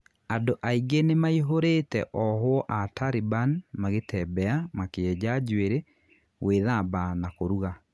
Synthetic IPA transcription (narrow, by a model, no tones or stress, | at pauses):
adoʔaiɡenemaiɦoɾetɛʔɔɦwɔʔataɾibanmaɣetʰɛbɛamakeɛd͡ʑad͡ʑweɾe | weðabanakoɾuɣa